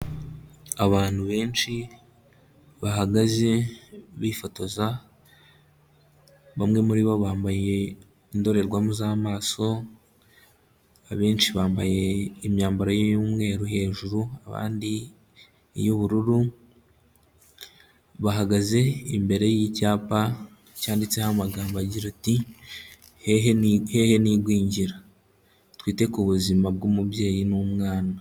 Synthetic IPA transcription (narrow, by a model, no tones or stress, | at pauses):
aβaːn̥huβe̞ːnʃi | βaɦaɡaze̞βifo̞to̞za | βamŋe̞muɾiβo̞βaːmbaje̞ | indo̞ɾe̞ɾɡwamuzaːmaːso̞ | aβe̞ːnʃiβaːmbaje̞imɲaːmbaɾajojumŋe̞ːɾuhe̞ːʒuɾuaβa̰ːndḭ | joβuɾuɾu | βaɦaɡaze̞imbe̞ɾe̞jicaːpa | caːndit͡sehamaɡaːmbaaɟiɾati | heɦenhe̞heniɡwiːɲɟiɾa | twiːte̞kuβuzimab̚ɡumubje̞ːjinumŋaːna